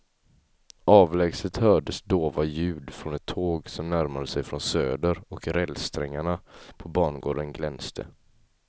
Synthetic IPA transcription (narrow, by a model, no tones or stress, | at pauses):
ʔɑːvlɛɡsət̪hœːɖəsd̪oːvajʉ̟ːd̪fɾɔnɛt̪ʰːoːɡsɔmnæɾmad̪əsɛjfɾɔnsøːd̪əɾɔkɾɛlst̪ʰɾɛŋːaɳapʰɔbɑːɳɡo̰ːɖənɡlɛnst̪ʰə̰